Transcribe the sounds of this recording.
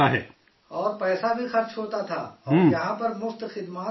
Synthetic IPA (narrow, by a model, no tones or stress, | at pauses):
aɦɛː | ɔːɾpɛːsabʱixɐɾt͡ʃɦoːt̪at̪ʰa̰ːɔ̃ːɾjɐɦãpɐɾmʊft̪xɪd̪maː